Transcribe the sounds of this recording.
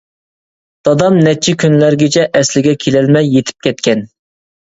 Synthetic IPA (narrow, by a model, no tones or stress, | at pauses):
d̪̥ɑd̪ɑmnɛt͡ʃʰːɪkʲynlæɾɡʲet͡ʃʰɛʔɛslɪɡʲɛkʲʰelɛlmɛjːet̪ʰɪ̥p̚kʲɛt̪̚kʲʰɛn